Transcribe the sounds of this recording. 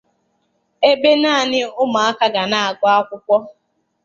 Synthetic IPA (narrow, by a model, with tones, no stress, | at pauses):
e˦be˦naː˦˨nɪ˦ʊ˦ma˨a˦ka˦ɡa˨na˦a˨ɡʷɔ˦a˦kʷʊ˦kʷɔ˦